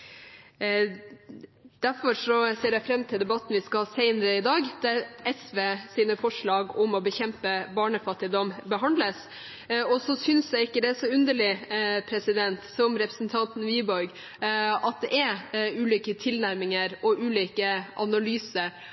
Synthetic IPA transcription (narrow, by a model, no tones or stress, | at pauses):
d̪̥æɾfɔɾʂɔseːɾjæɪfɾɛmːt̪ʰɪld̪ɛbɑt̪ːn̩ʋɪskɑhɑːsɛɪnəɾəɪd̪ɑːɡd̪̥ɛɾɛsʋeːsiːnəfɔʂɭɑːɡɔmɔbəçɛmpəbɑːɳəfɑt̪ːɪd̪ɔmbəɦɑnd̪ləs | ɔsɔsʏnsjæɪɪkːəd̪ɛæsɔʉnd̪əɭɪpʰɾɛsɪd̪ɛnt̪sɔmɾɛpɾəsnt̪ʰɑnt̪n̩ʋiːbɔɾɡ | ɑt̪̚d̪ɛʔɛɾʉːliːkət̪ʰɪlnæɾmɪŋəɾɔʔʉːliːkəʔɑnɑlyːsəɾ